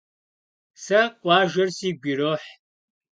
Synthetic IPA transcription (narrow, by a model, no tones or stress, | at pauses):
sɐqʷʼɑːʒɐrsiːɡʷiroːħ